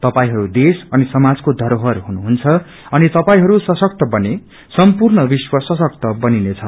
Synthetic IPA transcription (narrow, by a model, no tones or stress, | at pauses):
t̪ʌpaĩɦʌɾud̪esʌnisʌmad͡zkod̪ʱʌɾoɦʌɾɦunuɦunt͡sʰʌ | ʌnit̪ʌpaĩɦʌɾusʌsʌk̚t̪ʌbʌne | sʌmpurnʌbiswʌsʌsʌk̚t̪ʌbʌninet͡sʰʌ